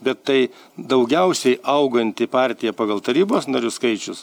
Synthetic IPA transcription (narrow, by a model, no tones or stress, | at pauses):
bʲɛt̪ːɐɪ | d̪ɐʊɡʲɛʊsʲɛɪʔɐʊɡɐnʲt̪ʲɪpɑɾʲt̪ʲɪjɛpɑːɡɐlˠt̪ɐɾʲiːboːsnɐɾʲʊskɐɪt͡ʃʲʊs